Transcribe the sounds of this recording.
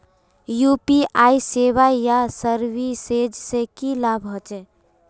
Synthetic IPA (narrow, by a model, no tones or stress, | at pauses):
jupiaiseʋajasəɾbised͡ʒsekilabʱɦɔt͡ʃɛ